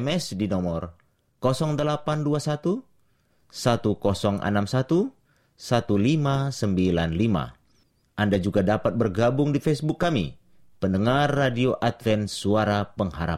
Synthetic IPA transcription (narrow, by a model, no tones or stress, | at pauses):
mɛsdinɔmɔr | kɔsɔŋdəlapanduasat̪u | sat̪ukɔsɔŋʔa̰namsat̪u | sat̪ulimasəmbilanlima̰ | ʔandad͡ʒuɡadapat̪̚bərɡabʊŋdifɛsbʊkːamḭ | pəndəŋarːadioʔat̪̚fɛnsuaɾapəŋɦaɾa̰